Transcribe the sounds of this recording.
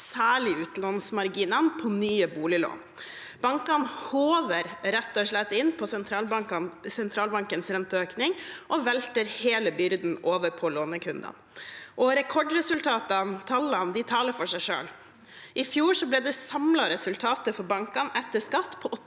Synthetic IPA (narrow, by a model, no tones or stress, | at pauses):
sæːɭɪʉːt̪lɑnsmɑɾɡiːnəɑnpʰɔnyːəbuːlɪlo̰ːn | b̥ɑŋkɑnhoːʋəɾɾɛt̪ːɔʂlɛt̪ːɪnpʰɔsɛnt̪ʰɾɑsɛnt̪ʰɾɑːlbɑŋkənsɾɛnt̪əøːknɪŋʔɔʋɛlt̪əɾheːləbʏɾd̪n̩oːʋəɾpʰɔloːnəkʰʉnd̪ə̰nʔɔɾɛkʰɔɖɾɛsʉlt̪ʰɑːt̪ənt̪ʰɑlɑnd̪ɪt̪ʰɑːləɾfɔʂæɪʂø̰ːl | ʔɪfjuːʂɔblɛːd̪ɛsɑmlɑɾɛsʉlt̪ʰɑːt̪əfɔɾbɑŋkɑnɛt̪ːəʂkɑt̪ːpʰɔʔɔ